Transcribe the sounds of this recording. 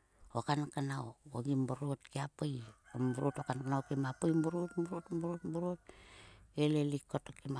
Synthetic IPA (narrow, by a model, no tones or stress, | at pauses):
okankanawoɡimbuɾotkiapojombuɾotokankanawkimapojmbuɾotmbuɾotmbuɾotmbuɾot̚ | elelikːotokima